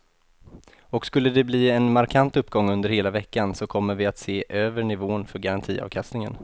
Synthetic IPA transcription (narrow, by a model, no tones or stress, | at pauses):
ɔkskɵlːəd̪ɛbliːɛnmaɾkʰant̪ɵpːɡɔŋːɵnd̪əɾheːlavɛkːansɔkʰɔmːəɾvɪat̪seːʔøːvəɳɪvoːnfœɾɡaɾant̪ʰiːɑ̰vkʰast̪nɪŋə̰n